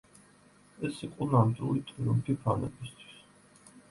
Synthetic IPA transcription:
ɛsiqʼɔnamd̪ilit̪ʼiɾump̪ʰipʰanɛ̰bist̪ʰwi̥s

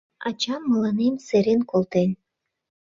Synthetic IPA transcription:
ɑ̰t͡ɕɑmːɤlɑnemseɾenkolˠt̪enʲ

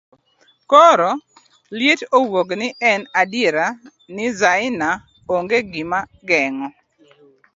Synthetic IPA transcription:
kɔɾɔ | ljɪtowoɡnɪʔɛnadɪɾa | nɪzaɪna | oŋɡeɡɪmaɡɛŋɔ

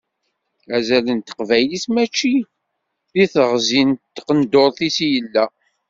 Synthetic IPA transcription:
æzælənt̪ə̥qvæjlismæt͡ʃːi | ðiθəʁzint̪ːqənd̪oɾˤθisijəlːæ

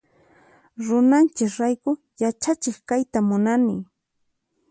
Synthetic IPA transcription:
ɾʊnant͡ʃɪkɾajkʊ | jat͡ʃat͡ʃɪχkajt̪amʊnanɪ

